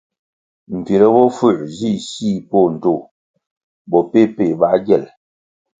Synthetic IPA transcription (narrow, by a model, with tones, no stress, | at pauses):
m̩˨pi˨ɾə˦bɔ˦fu˦˨zi˦˨si˦˨po˦˨n̩˨to˦˨ | bɔ˨pe˦pe˦˨ba˦ɡɛ˦˨l